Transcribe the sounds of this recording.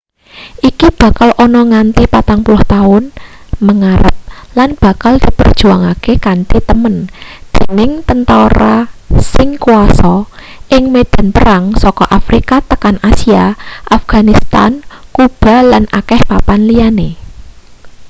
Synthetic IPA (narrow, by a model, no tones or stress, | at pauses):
ʔikib̥a̤kalʔɔnɔŋant̪ipat̪aŋpulʊht̪aʊnməŋaɾə̰p̚lanb̥a̤kald̪̥i̤pə̰rd̥ʒ̥ṳaŋakekant̪it̪əmənd̪̥e̤nɪŋt̪ənt̪aɾasɪŋkuasɔ | ʔɪŋmed̪̥a̤npəɾaŋsɔkɔʔafɾikat̪əkanasiaʔafɡ̥a̤nist̪a̰nkub̥a̤lanʔakɛhpapanlijane